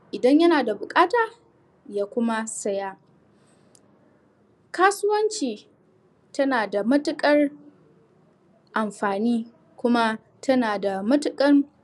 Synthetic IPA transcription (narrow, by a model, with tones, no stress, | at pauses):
ʔɪ˨dɐ˦ɲjɐ˦naː˨da˨bʊ˨kʼaː˦taː˨ | jaː˦kʷʊ˦ma˦sɐ˦ja˦ | kaː˦sʊ˦wɐ˦nt͡ʃiː˨ | tɐ˦naː˨da˨mɐ˦tʊ˦kʼɐ˦r | ʔa˨mɸaː˨niː˦ | kʷʊ˦ma˦ | tʰɐ˦naː˨da˨mɐ˦tʊ˨kʼɐ˦ŋ